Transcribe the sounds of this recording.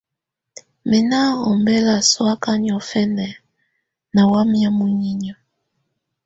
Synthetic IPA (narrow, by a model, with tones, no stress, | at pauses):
mɛ˨na˦ɔ˨mbɛ˦la˨swa˦ka˦ɲ˨ɔ˨fɛ˦nɛ˨ | na˨wa˦mja˦mu˦ɲi˦ɲɔ˨